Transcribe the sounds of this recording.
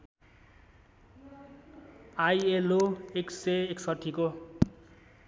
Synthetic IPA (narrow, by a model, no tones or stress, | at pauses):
ajeloekseeksʌʈʰiko